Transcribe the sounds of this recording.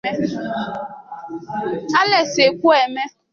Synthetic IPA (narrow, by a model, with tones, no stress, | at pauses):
e˦ | a˦le˨se˨kʷu˦e˨me˦